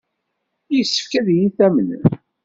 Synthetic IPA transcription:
jəsːə̥fkæðijiθæmən

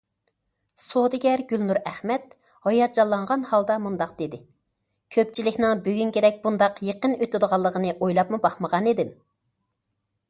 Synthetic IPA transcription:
sod̪ɪɡʲɛɾɡʲylnuɾæχmɛt̪̚ | hɑjɑd͡ʒɑlˠːɑɴʁɑnhɑlˠd̪ɑmund̪ɑqd̪̥ed̪ɪ | kʲʰøp̚t͡ʃʰilɪkʲnɪŋbyɡʲynkʲʰed̪ɛk̚ʲbund̪ɑqjeqənyt̪yd̪əʁɑlˠːəʁənɨʔojlˠɑpmubɑχməʁɑned̪ɪm

